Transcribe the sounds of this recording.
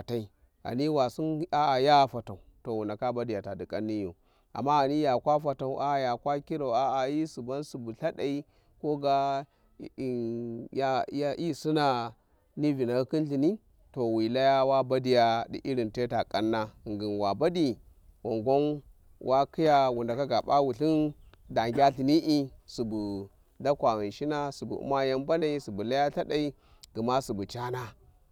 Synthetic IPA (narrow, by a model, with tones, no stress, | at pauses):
a˨ta˦i˦ | a̰˨ni˦wa˨su˦n˦a˦a˨ja˦˨fa˨ta˨u˨to˨wu˨na˨ka˦ba˦di˨ja˨ta˨di˨kʼa˦nːi˦jo̰˨ | a̰˨mːa˦a˨ni˦ja˨kʷa˦fa˨ta˨u˨ʔa˦˨ja˨kʷa˦ki˦ɾa˨u˨a˨a˨ji˦su˨ba˦nsu˨bu˨ɬa˦ɗa˨i˦ | ko˦ɡa˦˨ | ja˦ja˦ʔi˦su˦na˨ | ni˦vi˨na˨˦ki˦nɬi˨ni˦ | to˨wi˨la˦ja˦wa˦ba˦di˦ja˦dḭ˨ʔi˦ɾi˨nte˦ta˨kʼa˦nːa˦˨ŋɡi˨nwa˨ba˦di˨ | wo˨ŋɡo˦n | wʔa˦ki˦ja˦wu˨nda˨ka˦ɡa˨ba̰˦wu˨ɬi˦n | da˨ŋɡʲa˦ɬi˨ni˦ʔi˦su˨bu˨ | da˦kʷa˨ɣi˨nʃi˦na˦su˨bṵ˨ṵ˦ma˦ja˦mba˦na˦i˦su˨bu˨la˦ja˦ta˦da˦i˦ | ɡ̥i˨ma˦su˨bu˨t͡ʃa˦na˦